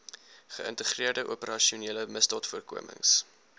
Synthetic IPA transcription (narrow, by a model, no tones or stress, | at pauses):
χə̰ə̰ntəχriərdəʔupəɾɐʃiuniələməsdɑːtfuərkṵəmʔə̰ŋs